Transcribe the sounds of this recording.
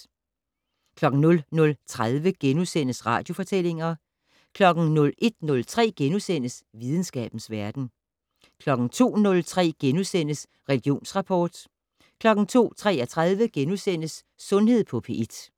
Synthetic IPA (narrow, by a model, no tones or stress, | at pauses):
kʰlɒ̽ɡ̥ŋ̩nɔ̽lnɔ̽lt͡sʰʁaðˠʋəɡ̥enusen̰əsʁɑ̈ːd̥jo̝fɒ̽t͡sʰel̰e̝ŋɐ | kʰlɒ̽ɡ̥n̩nɔ̽lʔe̝d̥̚nɔ̽lt͡sʰʁɛ̰ːɡ̥enusen̰əsʋið̞ˠn̩sɡ̥ɛ̰ːb̥n̩sʋæɐd̥n̩ | kʰlɒ̽ɡ̥n̩t͡sʰo̝̰ːnɔ̽lt͡sʰʁɛ̰ːɡ̥enusen̰əs | ʁɛliɡ̥io̝̰ːnsʁɑ̈pʰɒːd̥ | kʰlɒ̽ɡ̥n̩t͡sʰo̝̰ːt͡sʰʁɛ̰ːɐt͡sʰʁað̞ˠʋəɡ̥enusen̰əsː | ɔ̽nhe̝ð̞̰ˠpʰɒ̽pʰe̝ʔed̥